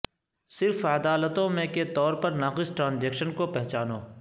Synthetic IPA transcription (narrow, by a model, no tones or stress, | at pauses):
sɪɾfaːd̪aːlət̪õmẽket̪ɔːɾpɐɾnaːqɪsʈɾãːnzɛːkʃənkopɛɦt͡ʃaːnoː